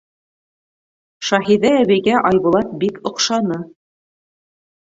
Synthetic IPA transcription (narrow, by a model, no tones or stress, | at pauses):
ʃɑɦiðæːβɘjɡæʔɑjβulˠɑt̪̚bikŏqʃɑnɤ